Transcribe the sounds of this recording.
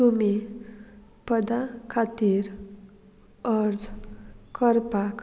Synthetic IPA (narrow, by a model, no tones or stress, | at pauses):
umi | pʌd̪akʰat̪iɾ | ʌɾd͡zkʌrpak